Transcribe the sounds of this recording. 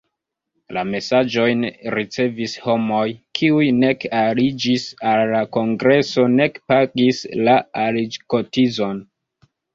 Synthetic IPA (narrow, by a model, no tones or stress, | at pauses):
lame̞sad͡ʒo̞jnɾit͡se̞visho̞mo̞jkʰiujne̞kalid͡ʒisalːako̞ŋɡɾe̞so̞ne̞kpaɡislaalid͡ʒko̞tizo̞n